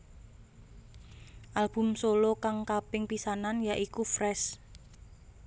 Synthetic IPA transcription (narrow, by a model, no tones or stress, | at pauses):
ʔalb̥ʊ̤msolokaŋkapɪŋpisananjaʔikufɾɛs